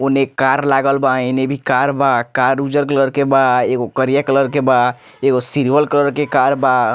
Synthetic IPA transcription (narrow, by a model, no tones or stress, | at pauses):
onekaɾlaɡəlbaenebʱikaɾbakaɾud͡ʒəɾkələɾkebaeɡokəɾijakələɾkeba | eɡosiɾʋəlkələɾkekaɾba